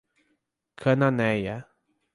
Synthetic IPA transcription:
kʰənanɛja

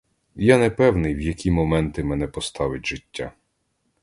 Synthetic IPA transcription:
janɛpɛwnɪjwjɐkʲimɔmɛnt̪ɪmɛnɛpɔst̪ɑʋɪtʲʒɪtʲːa

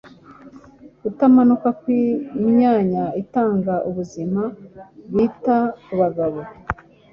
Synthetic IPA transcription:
utamanukakwimɲaːɲaitaːŋɡaʔuβuzimaβiːtakuβaɡaβo

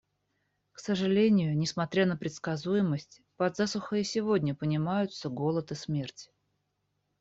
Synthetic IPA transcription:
ksəʐɨlʲenʲɪjʊnʲɪsmɐt̪ɾʲanəpɾʲɪt̪skɐzujɪməsʲtʲ | pɐd̪zasʊxəɪsʲɪvodʲnʲəpənʲɪmajʊt̪səɡo̞lˠət̪ɨsmʲe̞rtʲ

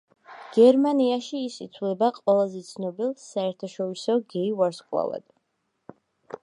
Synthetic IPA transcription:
ɡ̥ɛɾmaniaʃiːsit̪sʰvlɛbaqʼwɛlˠazɛt̪sʰnɔbilˠsaɛɾt̪ʰaʃɔɾisɔɡɛiwaɾskʼwa̰lˠa̰d̪̥

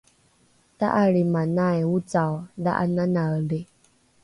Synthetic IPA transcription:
t̪a̰ʔaɺimanajut͡sawða̰ʔananaəle

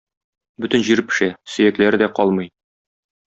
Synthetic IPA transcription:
bɵt̪ɘ̆nʑiɾɘpɘ̥̆ʃæsɵ̆jæklæɾɘd̪æqɒlˠmɤj

